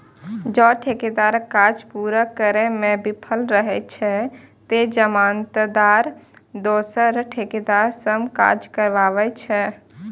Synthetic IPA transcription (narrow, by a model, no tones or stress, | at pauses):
d͡ʒɔʈʰeked̪aɾkad͡ʒpuɾəkəɾɛmẽbipʰəlɾəɦɛt͡ʃʰɛt̪ed͡ʒəmant̪d̪aɾd̪oːsəɾʈʰeked̪aɾsəmka̰d͡ʒkəɾʋaʋɛt͡ʃʰɛ